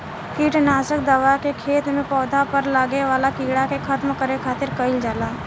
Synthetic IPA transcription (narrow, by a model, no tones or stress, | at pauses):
kiːʈnaːʃək̚d̪əʋakekʰeːt̪mẽpɔːd̪ʱapəɾlaːɡeʋaːlakiːɽakekʰət̪mkəɾekʰaːt̪ɪɾkəɪld͡ʒaːlaː